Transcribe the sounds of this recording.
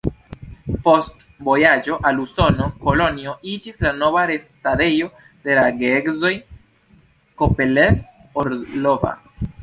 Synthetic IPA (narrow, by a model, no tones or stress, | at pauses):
po̞stvo̞jad͡ʒo̞ʔaluso̞no̞ko̞lo̞nio̞ʔid͡ʒislano̞vaɾe̞stade̞jo̞ | de̞laɡeeɡzo̞j | ko̞peleoɾlo̞va̰